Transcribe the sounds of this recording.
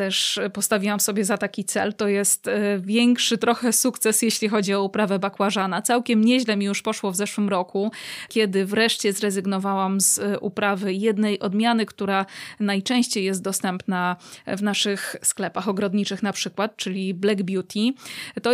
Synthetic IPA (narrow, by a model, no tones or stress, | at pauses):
t̪ɛʂpɔst̪avʲiwamsɔbʲjɛzat̪akʲit̪sɛ̰lt̪ɔjɛst̪vʲjɛŋkʂɘt̪ɾɔxɛsukt̪sɛsjɛɕlʲixɔd͡ʑiɔupɾavɛbakwaʐanat̪sawkʲɛmɲɛʑlɛmʲijuʂpɔʂwɔvzɛʂwɘmɾɔkukʲɛd̪ɘvɾɛʂt͡ɕɛzɾɛzɘɡnɔvawamzʔṵpɾavɘjɛd̪nɛjʔɔd̪mʲjanɘkt̪uɾanajt͡ʂɛ̃w̃ɕt͡ɕejːjɛst̪̚d̪ɔst̪ɛmpnavnaʂɘxsklɛpaxɔɡɾɔd̪ɲit͡ʂɘxn̪apʂɘkwat̪̚t͡ʂɘlʲiblɛɡbʲjut̪ʲʰit̪ɔ